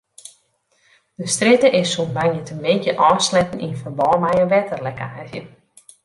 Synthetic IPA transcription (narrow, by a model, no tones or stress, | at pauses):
d̥əstrɪtəʔɪsunbaŋjətəmekjəʔɔːslɛtəninfərbɔːmajəʋɛtərlɛkʰaːzjə